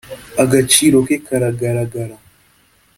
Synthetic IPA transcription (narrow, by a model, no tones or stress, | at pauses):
aɡat͡ʃiɾokekaɾaɡaɾaɡaɾa